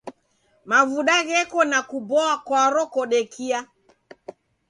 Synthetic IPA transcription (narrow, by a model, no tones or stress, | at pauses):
mavuɗaɣɛkɔnakubɔakwaɾɔkɔɗɛkʰia